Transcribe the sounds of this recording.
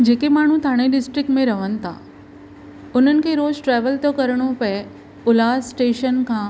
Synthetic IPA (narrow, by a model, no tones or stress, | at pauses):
d͡ʑeːkemaːɳ̤ũt̪ʰaːɽ̃eɖɪsʈɾɪk̚ʈmẽɾɐʋənɪ̆t̪ʰa̰ː | ʊn̤ənɪ̆kʰeːɾoːzʈɾɛːʋəlt̪okɐɾɽ̃opɐe | ʊlaːsʈeːʃənkʰãː